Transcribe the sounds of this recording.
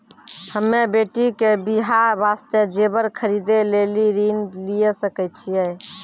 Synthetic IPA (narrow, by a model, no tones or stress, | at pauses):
həmːebeʈikebiɦaɾbast̪ed͡ʒebəɾkʰəɾid̪eleliɾinlijesəkɛt͡ʃʰijɛ